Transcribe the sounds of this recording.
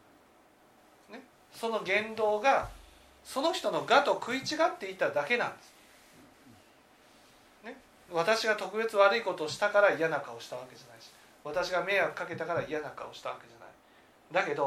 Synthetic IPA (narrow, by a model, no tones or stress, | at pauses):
ne | so̞no̞ɡẽ̞nd̪o̞ːɡa | so̞noçi̥t̪o̞no̞ɡat̪o̞kʰɯ̟it͡ɕiɡat̪ːe̞it̪ːad̪ake̞nã̰nd̪esɨ̥ | ne̞ | βat̪aɕiɡat̪o̞kɯ̟be̞t͡sɨβaɾɯiko̞t̪oːɕi̥t̪akaɾaijanakao̞ɕi̥t̪aβ̞ake̞d͡ʑanaiɕi̥ | βat̪aɕiɡame̞akɯ̥kake̞t̪akaɾaijanakao̞ɕi̥t̪aβake̞ʑana̰i | d̪ake̞d̪o̞